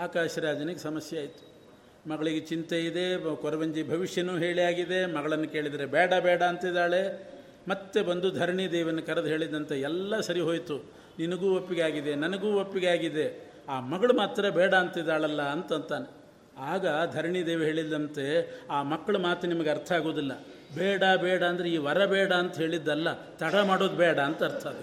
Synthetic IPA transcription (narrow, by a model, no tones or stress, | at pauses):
aːkaːʃɐɾaːd͡ʒɐnɐɡesɐmɐsjɐaːjt̪u̥ | mɐɡɐɭiɡet͡ʃint̪eid̪e̞kɔɾɐʋɐɲd͡ʒibʱɐʋiʂjɐnuːɦe̞ːɭijaːɡid̪e̞mɐɡɐɭɐnːukeːɭid̪ɐɾebɛːɽɐbɛːɽɐːnt̪id̪aːɭe̞ | mɐt̪ːebɐnd̪ud̪ʱɐɾɳid̪ɛːʋɐnːɐkɐɾɐd̪uɦe̞ːɭid̪ɐnt̪ɐɛlːɐsɐɾiɦo̞ːjt̪u | ninɐɡuːopːiɡeaːɡid̪e̞nɐnɐɡuːʋopːiɡeaːɡid̪e̞ | aːmɐɡɐɭumaːt̪ɾɐbɛːɽɐːnt̪id̪aːɭɐlːɐɐnt̪ɐnt̪aːne | aːɡɐd̪ʱɐɾɳid̪ɛːʋeɦe̞ːɭid̪ːɐnt̪e̞aːmɐkːɐɭɐmaːt̪ɐnimɐɡeɐɾt̪ʰɐaːɡoːd̪ilːɐ | bɛːɽɐbɛːɽɐːnd̪ɐɾeiːʋɐɾɐbɛːɽɐːnt̪ɐɦe̞ːɭid̪ːɐlːɐ | t̪ɐɽɐmaːɽoːd̪bɛːɽɐːnt̪ɐɐɾt̪ʰaːd̪